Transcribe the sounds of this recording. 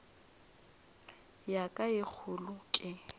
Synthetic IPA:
jakʼaɪk͡xʰʊlʊkʼɪ

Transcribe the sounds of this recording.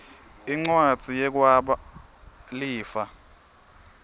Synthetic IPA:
iŋ͡ǀwad̥d͡z̥ʱijɛk̬ʼwaɓa | liːfa

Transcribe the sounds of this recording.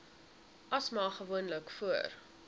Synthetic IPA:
ʔɐsmɑːχəvuənləkfuər

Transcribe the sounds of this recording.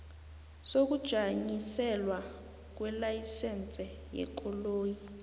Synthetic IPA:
sok̬ud̥ʒ̥ʱaɲisɛlwa | k̬wɛlajisɛnt͡sʼɛ | jɛ̰kʼɔloːji

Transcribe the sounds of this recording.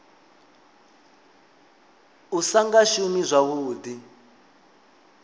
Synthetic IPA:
usaŋɡaʃumizʷaβuːdi

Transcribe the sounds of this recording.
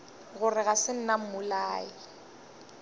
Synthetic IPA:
ɣʊrɪɣasɪn̩nam̩mʊlaːɪ

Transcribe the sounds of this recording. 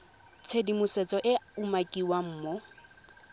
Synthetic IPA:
t͡sʰedimʊset͡sʼɔʔɪumakʼiwam̩ːmɔ

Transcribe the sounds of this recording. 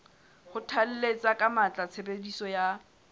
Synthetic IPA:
hʊtʰal̩let͡sʼakʼamat͡ɬʼat͡sʰebedisɔja

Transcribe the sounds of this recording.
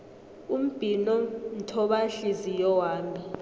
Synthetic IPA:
um̩b̥ʱinɔn̩tʰɔɓaɬizijɔwaːmi

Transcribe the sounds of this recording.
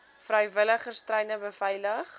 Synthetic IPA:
frəjvələχərstrɛjnəbəfɛjləχ

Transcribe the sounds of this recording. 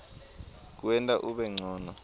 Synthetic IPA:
k̬uwɛntʼaʔuɓɛŋ͡ǀʱɔːnɔ

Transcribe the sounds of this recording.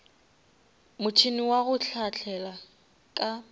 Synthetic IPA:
mʊt͡ʃʰiniwaɣʊt͡ɬʰat͡ɬʰɛla | kʼa

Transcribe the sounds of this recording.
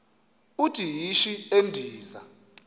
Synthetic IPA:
utʰijiʃiendʱiːza̰

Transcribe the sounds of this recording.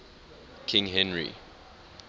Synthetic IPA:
kʰɪ̃ŋɦɛ̃nɹḭ

